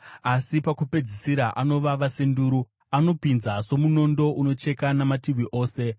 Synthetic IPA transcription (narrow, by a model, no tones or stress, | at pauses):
asipakupe̞d͡zisiɾaʔano̞ʋaʋasenduːɾu | ano̞pinzaso̞muno̞ndo̞ʔuno̞t͡ʃe̞kanamatiʋiʔo̞ːse̞